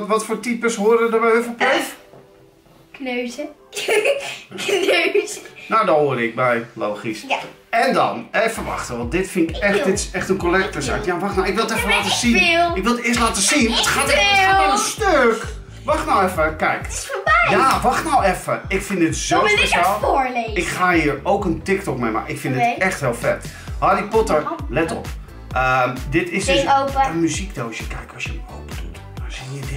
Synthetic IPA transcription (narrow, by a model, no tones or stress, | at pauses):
tʋɔtfoːrtipəsɦoərədərbɛjøfəpluf | knøːzə | nøsnawdɔhoərdəɪk̚bɛjlowxisɛndɔ̰nɛfərʋɑ̰xtəʋɔndɪtfɪnɪkɛxdɪtsɛxtənkolɛk̚təsatjaʋaxtnawɪkʋɪlˠətɛfənlaːtəsinɪk̚ʋɪlˠətɪəstlaːtəsinətxaːtɛəənstøk | ʋɑχtnawɛfəkɛjkjaʋɑχtnawɛfəɪkfɪndɪtz̥owspeʃaːlˠɪkχaːɦiːəɹowkəntɪktɔkmejma̰ʔɪkfɪ̃ndɪtɛxtɦɪːlˠfɛt | ɦɑdipɔtəɹlɛtɔ̰p | əmdɪtɪsdøsopəmyzikdowsəkɛjkɑsjəəo̰wpədut | dazijəd